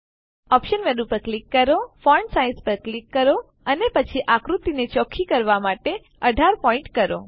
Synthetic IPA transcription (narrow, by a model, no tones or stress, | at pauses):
ɔpʃənʋeɗũpəɾklikːəɾofɔɳɖsaĩnspəɾklikːəɾo | ənepət͡ʃʰiʔakɾut̪inet͡ʃɔkʰːikəɾʋamaʈe | əɖʱaɾpɔɪ̃ɳʈkəɾo̰